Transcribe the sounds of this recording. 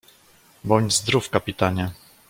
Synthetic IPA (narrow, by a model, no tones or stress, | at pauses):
bɔɲd͡ʑzd̪ɾufkapʲit̪aɲa